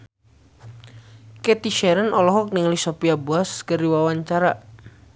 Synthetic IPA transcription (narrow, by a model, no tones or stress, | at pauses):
kɛt̪iʃɛɾənʔɔlɔɦɔk̚niŋalisopiabuaskəɾiwawaɲt͡ʃaɾa